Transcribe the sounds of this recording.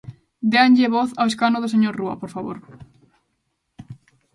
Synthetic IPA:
d̪eanʎeβɔθaweskanʊðos̬eɲoɾrua̰poɾfaβo̰ɾ

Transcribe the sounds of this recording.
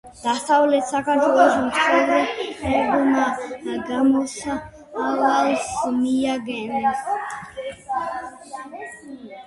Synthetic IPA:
d̪̥asavlɛt̪sakʰaɾt̪ʰwɛlɔʃɔmsʰɛlɛɛqɔnaɡamɔsa | avalsmiaɡɛns

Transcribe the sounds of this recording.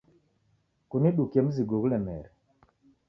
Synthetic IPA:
kuniɗukemziɡoklɛmɛɾ

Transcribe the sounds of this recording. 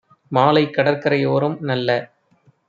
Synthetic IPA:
maːlɐɪkːɐɽɐrkɐɾɐɪjoːɾɯmnɐlːɐ

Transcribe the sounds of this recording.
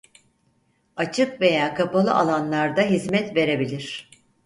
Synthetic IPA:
at͡ʃʰɯkve̞jaːkʰapalˠɯ̰ʔalˠanlˠaɾd̪aɦizmɛt̪ve̞ɾe̞bilʲiɾ̥

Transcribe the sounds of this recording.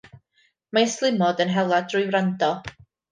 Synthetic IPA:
maəslˠɪmɔdənɦɛlˠadrʊjwrandɔ

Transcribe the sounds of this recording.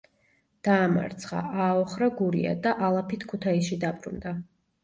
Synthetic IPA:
d̪̥aːma̰ɾt̪sʰχa̰ʔaːɔχɾaɡuɾia̰d̪aʔalˠapʰit̪ʰkʰut̪ʰaisʃid̪apʼɾṵnd̪a

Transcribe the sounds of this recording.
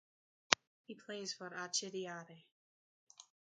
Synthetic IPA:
hipʰl̥eɪz̥fəɾat͡ʃɪɾiaɾe

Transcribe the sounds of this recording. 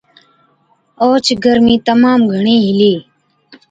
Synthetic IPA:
oːt͡ʃʰɡəɾmĩːt̪əmaːmɡʱəɳiːɦɪliː

